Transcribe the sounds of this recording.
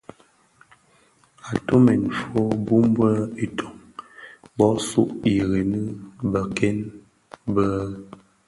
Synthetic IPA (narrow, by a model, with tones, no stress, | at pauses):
a˨to˦mɛ˨n˨fo˦bu˦m˦bwə˦i˨tʰo˨ŋ | bɔ˨˦sṵ˦ʔi˨ɣe˨nɨ˦bə˨kɛ˦n | bə˦